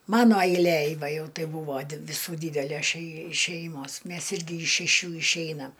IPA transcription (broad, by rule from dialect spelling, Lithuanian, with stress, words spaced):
ˈmɑːnoː ɐɪlʲˈeːj ˈʋɐ ˈjɛʊ ˈtɐɪ ˈbuːʋoː ʋʲɪˈsuː ˈdʲiːdʲɛlʲæs ʃʲɛɪ ˈʃʲɛɪmoːs ˈmʲɛs ˈɪrʲɡʲɪ ɪʃ ʃʲɛˈʃʲuː ɪʃʲˈɛɪnɐm